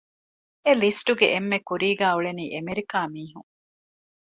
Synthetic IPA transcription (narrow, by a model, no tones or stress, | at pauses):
elisʈuɡeʔemːekuɾiːɡæːuɭeniːʔemeɾikaːmiːɦuŋ